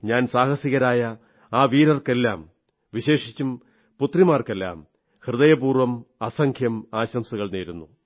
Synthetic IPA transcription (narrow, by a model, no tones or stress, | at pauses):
ɲaːnsaːhɐsiɣɐɾaːjɐ | aːʋiːɾɐrke̞lːa̰ːm | ʋiɕe̞ːʂit͡ɕːum | put̪rimaːrke̞lːa̰ːm | hrɨðɐjɐbuːrʋɐmɐsɐŋkʰjɐmaːɕɐmsuɣɐɭneːɾunːu